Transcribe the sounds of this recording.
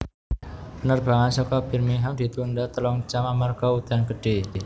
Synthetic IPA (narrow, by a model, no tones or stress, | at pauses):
pənərba̤ŋansɔkɔbirmiɦamd̪̥i̤t̪undat̪əlɔŋt͡ʃamamarɡɔut̪anɡəɖ̥e